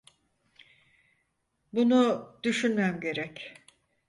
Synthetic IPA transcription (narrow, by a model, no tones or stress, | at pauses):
bunud̪yʃynmæmɟe̞ɾɛc